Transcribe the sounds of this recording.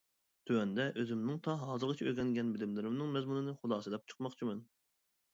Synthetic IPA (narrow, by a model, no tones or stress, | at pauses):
t̪ʰywɛnd̪ɛʔøzɪmnɪŋt̪ʰɑɦɑːzɨɾʁɨt͡ʃʰiøɾɡʲɛŋɡʲɛnbɪlɪmlɪɾɪmnɨŋmɛzmunɨnɨχʊlˠd̪ɑːsɨd̪ɛp̚t͡ʃʰə̥qmɑχt͡ʃʰimɛn